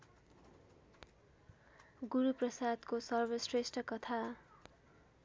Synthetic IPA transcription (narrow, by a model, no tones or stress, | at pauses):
ɡuɾuprʌsad̪kosʌrbʌsresʈʌkʌt̪ʰa